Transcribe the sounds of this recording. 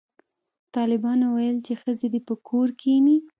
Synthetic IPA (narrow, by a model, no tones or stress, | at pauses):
t̪ɑlɪbɑnwajəlt͡ʃexəzed̪epəkʰoɾkeni